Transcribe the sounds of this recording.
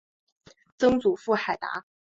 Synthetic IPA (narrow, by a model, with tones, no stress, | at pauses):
t͡sɤ˥ŋt͡su˨˩fu˥˩xa˨˩ɪt̪a̰˧˥